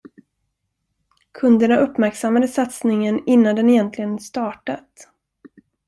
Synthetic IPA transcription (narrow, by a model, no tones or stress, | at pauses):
kʰɵnd̪əɳaʔɵpːmæɾksamːad̪əsat̪snɪŋənɪnːand̪ɛnɛjɛnt̪ʰlɪɡənst̪ɑːʈat̪